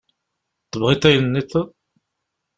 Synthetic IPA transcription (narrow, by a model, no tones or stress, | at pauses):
t̪ːəvʁit̪æjənːiθ